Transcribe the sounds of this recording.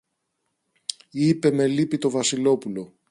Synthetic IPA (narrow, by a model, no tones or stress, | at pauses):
ipe̞me̞lipit̪o̞vɐsilo̞pulo̞